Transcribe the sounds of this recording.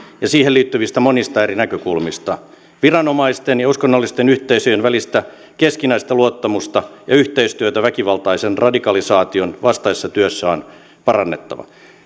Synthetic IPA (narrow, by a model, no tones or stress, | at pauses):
jɑsiːhelliːt̪ːyʋist̪æmonist̪ɑerinækøkulmist̪ɑ | ʋirɑnomɑist̪enjɑuskonːɑlːist̪enyht̪eisøjenʋælist̪æ | keskinæist̪ɑluot̪ːɑmust̪ɑjɑyht̪eist̪yøt̪æʋækiʋɑlt̪ɑisenrɑdikɑlisɑːt̪ionʋɑst̪ɑisesːɑt̪yøsːæon | pɑrɑnːet̪ːɑ̰ʋɑ̰